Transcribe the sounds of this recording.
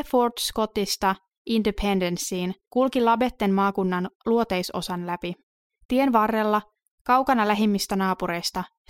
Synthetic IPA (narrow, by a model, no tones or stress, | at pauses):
fo̞rt̪sko̞t̪ist̪ɑ | indipʰe̞ndensiːnkulkilɑbe̞t̪ːe̞mmɑːkunːɑnluo̞t̪e̞jso̞̰sɑnlæpi | t̪ie̞nʋɑrːe̞lːɑ | kɑwkɑnɑlæɦimːist̪ænɑːpuɾe̞jst̪ɑ